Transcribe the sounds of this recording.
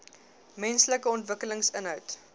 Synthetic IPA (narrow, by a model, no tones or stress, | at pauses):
mɛnsləkəɔntvəkələŋsənɦœwt